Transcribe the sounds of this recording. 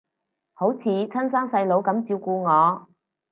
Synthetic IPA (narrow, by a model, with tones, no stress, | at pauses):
ho˨˥wt͡sʰiː˨˥t͡sʰɐ˥nsaː˥ŋsɐ˧jlo˨˧wkɐ˨˥mt͡siː˧wkuː˧ŋɔː˨˧